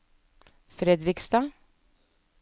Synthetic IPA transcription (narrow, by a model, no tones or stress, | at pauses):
fɾɛd̪ɾɪkst̪ɑ